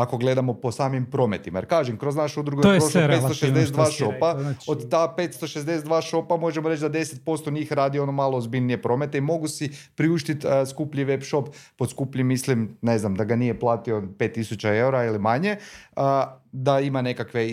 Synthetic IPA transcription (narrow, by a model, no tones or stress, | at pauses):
ako̞ɡle̞d̪amo̞po̞saːmimpɾo̞me̞t̪imajeɾkaːʒemkɾo̞znaʃeud̪ɾuɡoɾosoet̪oʃezd̪eseed̪ʋaːʃo̞paod̪t̪ape̞t̪st̪o̞ʃezd̪esed̪ʋaːʃo̞pamo̞ʒemoɾe̞t͡ʃd̪ad̪e̞set̪̚po̞st̪oɲiːxɾaːd̪io̞no̞maːlˠoːzbiʎnije̞pɾo̞me̞t̪eimo̞ɡusipɾiuʃt̪it̪skupʎiʋepʃo̞pː | od̪skupʎimːislimne̞znamd̪aɡanijeplˠaːt̪ionpe̞ːt̪ːisut͡ʃae̞uɾailimaɲe̞əd̪aimane̞kakʋe